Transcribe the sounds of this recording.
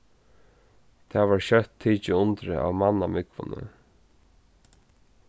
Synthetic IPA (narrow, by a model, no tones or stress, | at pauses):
t̪ʰaːʋaɹɕœt̪ʰːiːt͡ʃɪʊnt̪ɾə̰a̰vmanːamɪkʋʊ̰nə̰